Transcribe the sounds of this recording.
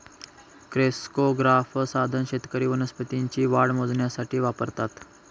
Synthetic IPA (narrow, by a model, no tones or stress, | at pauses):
kɾeskoɡɾafsad̪ʱənɕet̪kəɾiːʋənəspət̪iɲt͡ɕiːʋaɽmod͡zɳjasaʈʰiːʋapəɾt̪at̪